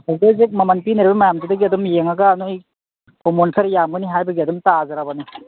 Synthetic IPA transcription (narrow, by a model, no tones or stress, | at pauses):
azezek̚mɐmanpinɐɾibɐmajamdidɐɡiɐdɔmjeŋaɡaːnoj | komonsʰaɾjamɡɯniɦajbɐɡiɐdɔmtazaɾabani